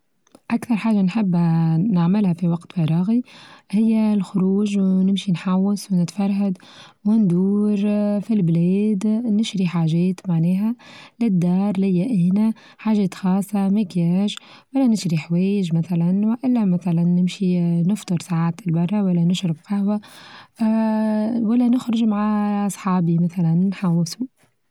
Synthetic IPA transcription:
ʔakθɑɾˤħaːʒːanħɪbːnaʕmɪlhæfiwɑqt̪fɑɾˤɑːɣihɪjːælxʊɾuːʒwnɪmʃinħawːaswnɪt̪fɑɾˤɦad̪wɪnd̪uːɾfilblɛːd̪nɪʃɾiħaːʒɛːt̪maʕnɛːɦælɪd̪ːɑːɾˤlɪjːæʔɪhnæ | ħaːʒɛːt̪xɑːsˤːɑmɪkaːʃ | wælːænɪʃɾiħwɛːjɪʒmæθælænwɪʔɪlːæmæθælænːɪmʃinɪft̪ˤɨɾsaʕaːt̪ɪlbɑrˤːɑwælːænɪʃɾɪbqɑhwa | wælːænʊxɾʊʒmaʕaʔɑsˤħɑːbimæθælænnħawːɪsu

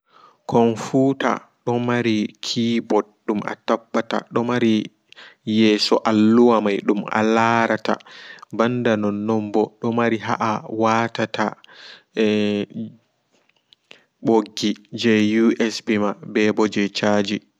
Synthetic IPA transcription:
kɔnfuta̰ | ɗɔmaɾikʰiːbɔdɗuma̰tabːata̰ɗɔmaɾi | jɛːsɔʔalːuwamajɗuma̰laɾata̰bandanɔnːɔmbɔɗɔmaɾiɦa̰ʔawatata | ɛ | boɡːid͡ʒɛjuʔɛsbimabɛbɔd͡ʒɛt͡ʃaːd͡ʒi

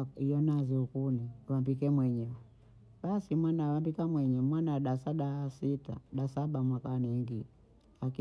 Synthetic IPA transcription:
ijɔnaziukuniwambikɛmwɛɲɛ | ɓasimwanawambikamwɛɲɛmwanaɗasaɗasita̰ɗasaɓamwakaniŋɡi | aki

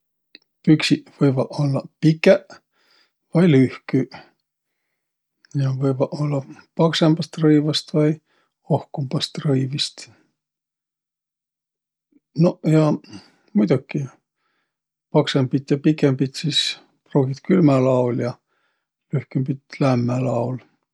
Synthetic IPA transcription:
yksiʔvɤjvɑolːɑpikːˑeʔ | vɑjlyhky | jɑvɤjvɑolːɑpɑksemb̥ɑst̪rɤivɑst̪vɑj | ohkumb̥ɑst̪rɤivist̪ | nojɑ | mujd̪̥ukːˑi | pɑksemb̥it̪jɑpikːˑembit̪siːs | pruːɡit̪kylmælɑuljɑ | lyhkymbit̪læmːælɑwl

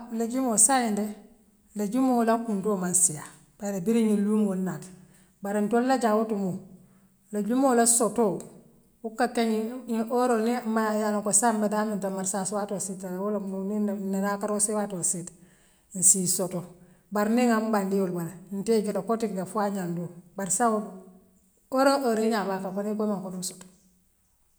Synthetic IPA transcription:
laɟumosajinde | laɟumolakundoːmansija | b̥alabiɾiɲilumonat | baɾentollaɟawutumu | laɟumolasoto | ukːakeɲioɾonimajaloŋkosanbadamintamaɾsaswatositawulamninnanakaɾosewatosit | nsisoto | baɾniŋambandiwulbananteɟutakotikdafuaɲandubaɾsau | oɾoʔoɾeɲabakafanikomaŋkonuso̥to̥

